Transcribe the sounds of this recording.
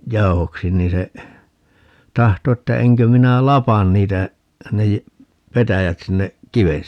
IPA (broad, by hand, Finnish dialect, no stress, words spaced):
jɑu̞hoksi niːn se tɑhto etːæ eŋkø minæ lɑpɑn niːtæ ne jæ petæjæt sinːe kiʋen